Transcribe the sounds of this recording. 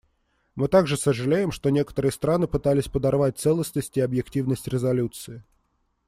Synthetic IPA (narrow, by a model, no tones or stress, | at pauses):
mɨt̪aɡʐɨsəʐɨlʲejɪmʂt̪onʲekə̥t̪əɾɨjəst̪ɾanɨpɨt̪alʲɪsʲpəd̪arvat̚ʲt̪sɛlˠəsnəsʲtʲiɐbjɪktʲivnəsʲtʲɾʲɪzalʲut̪sɨɪ